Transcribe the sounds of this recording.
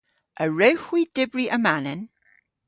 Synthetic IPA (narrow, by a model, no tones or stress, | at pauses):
ʔəɹɛwhwidɪbɹiʔəmanɛn